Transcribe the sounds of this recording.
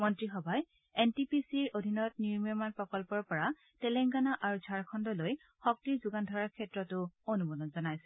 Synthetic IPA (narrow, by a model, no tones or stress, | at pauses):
mɔntɹixɔbʱaj | ɛntipisiɹodʱinɔtniɹmiɔmanpɹɔkɔlpɔɹpɔɹa | tɛlɛŋɡanaʔaɹuzʱaɹkʰɔndɔloj | xɔk̚tiɹzuɡandʱɔɹaɹkʰɛtɹɔtʊonumɔlɔnzɔnajsɛ̥